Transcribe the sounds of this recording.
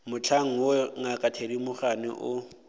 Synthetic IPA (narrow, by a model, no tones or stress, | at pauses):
mʊt͡ɬʰaŋ̩woŋakʼatʰeɾimʊχanɪ̰ʔʊ